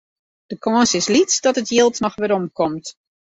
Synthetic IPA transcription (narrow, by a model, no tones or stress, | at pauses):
d̥əkʰɔːnsɪslitsdɔtətʰjɪlˠtnɔxʋɪɾɔmkʰɔmt